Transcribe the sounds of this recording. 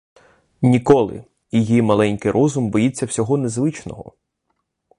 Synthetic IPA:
nʲikɔlˠɪ̰ | jijimɐlˠɛnʲkɪjɾʔɔzʊmbɔjit͡sʲːɐwsʲɔɦɔnezʋɪt͡ʃnɔ̰ɦɔ̰

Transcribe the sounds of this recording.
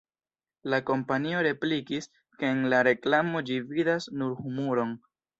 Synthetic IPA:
lako̞mpanio̞ɾe̞plikis | ke̞ːnlaɾe̞klamo̞d͡ʒividasnuɾhumuɾon

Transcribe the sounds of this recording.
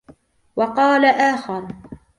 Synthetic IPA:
wɑqɑːlaʔaːxɑɾˤ

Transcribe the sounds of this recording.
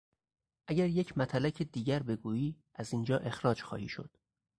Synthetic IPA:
ʔæɟæɾjecʰmæt̪ʰælæcʰed̪iːɟæɾbe̞ɡuːiː | ʔæzind͡ʒɒːʔe̞xɾɒːd͡ʒxɒ̰ːhiːʃo̞̰d̪̥

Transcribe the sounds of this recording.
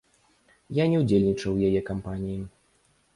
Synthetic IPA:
janʲɛud͡zʲelʲnʲit͡ʂɐwjajɛkampanʲiji

